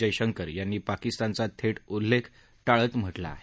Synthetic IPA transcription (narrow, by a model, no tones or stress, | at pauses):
əjɕəŋkəɾjanːiːpakist̪ant͡sat̪ʰeʈulːekʰ | ʈaɭət̪m̤əʈla̰ːɦe